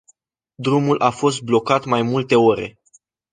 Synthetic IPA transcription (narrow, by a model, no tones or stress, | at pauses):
d̪ɾumulʔafo̞st̪̚blo̞kat̪majmult̪e̞oɾe̞̰